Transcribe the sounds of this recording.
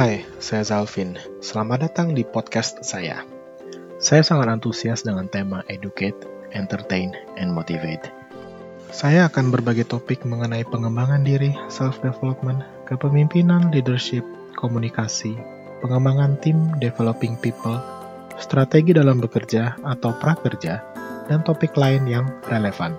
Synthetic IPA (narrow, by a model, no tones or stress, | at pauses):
haj | sajazalfɪn | səlamadat̪aŋdipɔt̪̚kast̪̚saja̰ | sajasaŋat̪ant̪usiasdəŋant̪emaʔeduket̪̚ | ɛnt̪ərt̪ejnɛnmot̪ivḛt̪̚ | sajaːkanbərbaɡɛjt̪opɪk̚məŋənaipəŋəmbaŋandiɾisɛlfdefelop̚mən | kəpəmimpinanlidərʃɪp̚ | komunikasi | pəŋəmbaŋant̪imdefelopɪŋpipəl | st̪ɾat̪eɡidalambəkərd͡ʒaːt̪awpɾakərd͡ʒadant̪opɪklaɪnjaŋrelefan